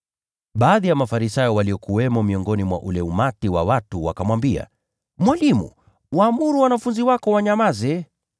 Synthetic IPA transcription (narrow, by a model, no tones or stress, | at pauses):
ɓaːðijamafaɾisajɔwaliɔkuwɛmɔmiɔŋɡɔnimwa̰ʔulɛumatiwa̰watuwa̰kamwambia̰ | mwalimṵ | waːmuɾuwanafunziwakɔwaɲamazɛ